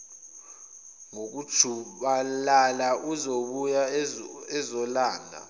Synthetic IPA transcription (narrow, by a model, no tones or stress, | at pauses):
ŋok̬ud̥ʒ̥ʰʱuɓalalaʔuzoɓujaɛzɔlaːŋa̰